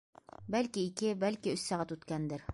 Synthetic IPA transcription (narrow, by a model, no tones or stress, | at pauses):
bælkiːkɘbælkiɵsːɑʁɑt̪ʉt̪kænd̪ɘɾ